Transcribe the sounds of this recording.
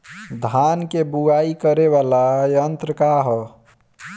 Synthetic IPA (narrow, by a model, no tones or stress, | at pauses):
d̪ʱaːnkebuɡaikəɾeʋalajənt̪ɾəkaɦɔ